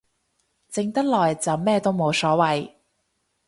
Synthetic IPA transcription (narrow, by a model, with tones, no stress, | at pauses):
t͡sɪ˧ŋt̪ɐ˥k̚lɔː˨jt͡sɐ˨˩wmɛː˥˧t̪o˥wmo˨˧wsɔː˨˥wɐ˨j